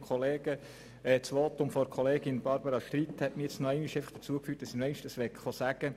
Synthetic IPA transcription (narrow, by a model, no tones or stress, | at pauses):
kχɔleːɡ̥ə | ɛːt͡sʋoːt̪ʊmfɔɾkʰχɔleːɡɪnb̥ɑɾbəɾɑʃt̪ɾithɛtmijɛt͡snɔɛɪniʃɛɪfəχd̥ə̥t͡suəkfyːt̚d̥ɑsimɛɪnʃtəsʋɛkχosæɡ̥ə